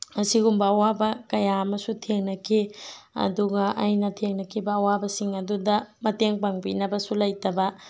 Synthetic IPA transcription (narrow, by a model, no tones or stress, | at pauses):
ɐsiɡumbɐɐwabɐkɐjaɐmɐsutʰeŋnɐkʰiɐ̰duɡɐʔajnɐtʰeŋnɐkʰibɐɐwabɐsiŋɐdudɐmɐteŋpaŋbḭnɐbɐsulɐjtɐbɐ